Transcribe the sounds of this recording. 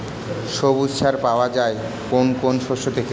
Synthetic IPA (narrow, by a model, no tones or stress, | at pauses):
ʃobutʃʰaɾpaoad͡ʑae | konkonʃoʃot̪ʰeke